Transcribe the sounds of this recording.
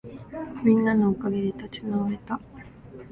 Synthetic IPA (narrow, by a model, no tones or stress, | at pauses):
mʲĩnːanookaɡe̞d̪e̞t̪at͡ɕi̥naβaɾe̞t̪a